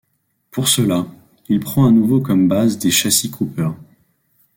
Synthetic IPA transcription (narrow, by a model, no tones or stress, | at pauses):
puʁsəla | ilpχɑ̃anuvokɔmbazd̪eʃasikʰupœːʁ